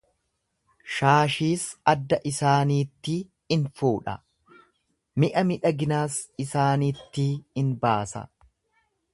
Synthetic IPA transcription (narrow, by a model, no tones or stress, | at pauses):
ʃaːʃiːsɐd̪ːɐʔɪsaːniːt̪ːɪ | ɪnfuːᶑɐ̰ | mɪʔɐmɪᶑɐɡɪnaːsɪsaːniːt̪ːɪɪnbaːsɐ̰